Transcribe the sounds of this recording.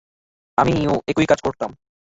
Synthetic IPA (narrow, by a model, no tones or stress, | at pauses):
amioekujkad͡ʑkoɾt̪am